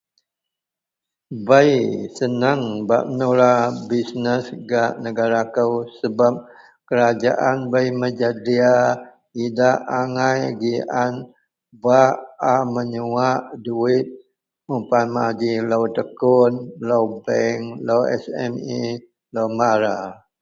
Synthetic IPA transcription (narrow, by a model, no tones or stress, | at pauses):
bəjsənəŋba̰ʔənulabisnəsɡaʔnəɡaɾakəwsəbap̚ | kəɾad͡ʒa̰ʔanbəjməd͡ʒadia | idaʔaŋajɡiʔan | baaməɲəwaʔduɪt̪̚ | mupanmad͡ʒiləwt̪əkʊnləwbɛŋləwɛ̰sɛ̰mi | ləwmaɾa